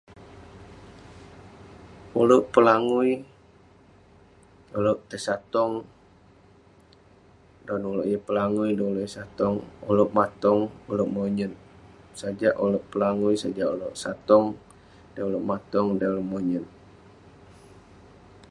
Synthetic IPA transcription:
uloʔpəlaŋuj | oloʔt̪əsat̪ɔŋ | dɔnuloʔjəpəlaŋujdɔuloʔsat̪ɔŋoloʔmat̪ɔŋuloʔmoɲən | sad͡ʒaʔuloʔpəlaŋujsad͡ʒaʔuloʔsat̪ɔŋ | dajuloʔmat̪ɔŋdaloʔmoɲən

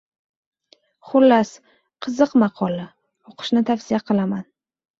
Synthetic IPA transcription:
χʊlːas | qʰɨzɨqmɑqʰɒla | oqʰɨ̥ʃnɪt̪ʰafsɪjaqʰɨlaman

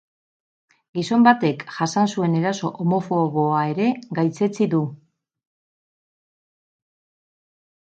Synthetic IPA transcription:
ɡiso̞mbat̪e̞kʝasansue̞ne̞ɾaso̞ʔomo̞fo̞ɣo̞ae̞ɾe̞ɡajt͡se̞t͡siðu

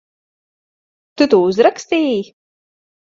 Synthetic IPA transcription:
t̪ut̪uuzɾakst̪iːji

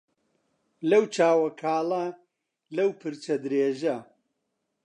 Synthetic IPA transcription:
lɐwt͡ʃʰaːwɐkʰaːlɐ | lɐwpʰɨɾt͡ʃɐd̪ɾeːʒɐ

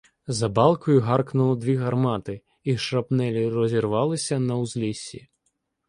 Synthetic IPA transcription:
zɐbalˠkɔjʊɦarknulˠɔd̪ʋʲiɣɐrmat̪ɨ | iʂrɐpnɛlʲirɔzʲirʋalˠɨsʲɐnɐwzʲlʲisʲḭ

